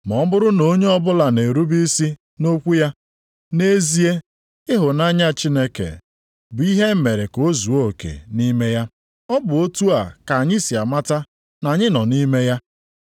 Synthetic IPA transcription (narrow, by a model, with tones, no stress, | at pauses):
mɔ˨˦bʊ˦ɾʊ˦no˦ɲe˦ɔ˦bʊ˦la˨ne˨ɾu˦bi˦si˦ | no˦kʷu˦ja˦ | ne˦zi˦e˦ | ɪ˦ɦʊ˨na˦ɲa˦t͡ʃi˦ne˦kḛ˨ | bʊ˨i˦ɦe˦m̩˦me˨ɾe˨ko˦zu˨o˦˨kḛ˨ni˦me˦ja˦ | ɔ˦bʊ˨o˦tu˦a̰˨ka˨ɲɪ˦si˨a˨ma˦ta˦ | na˨ɲɪ˦nɔ˨ni˦me˦ja˦